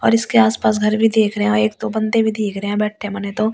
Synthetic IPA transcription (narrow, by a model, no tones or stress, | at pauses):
ɔ̰ːɾɪskeaːspaːs̬ɡʱɐɾbʱid̪eːkʰɾɐɦɛ̃eːk̚t̪obɐ̃nd̪ebʱid̪eːkʰɾɐɦɛ̃bɛːʈʰːẽmɐnet̪o